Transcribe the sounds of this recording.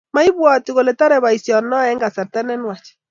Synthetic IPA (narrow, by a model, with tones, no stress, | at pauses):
ma˦i˦bwa˨ti˨ɣo˨lɛ˨ta˦ɾɛ˨βa˨i˨sjɔ˨nɔ˦ɛ˦ŋɡa˨sɛ˨ɾtɛ˦nɛ˦nwa˨t͡ʃ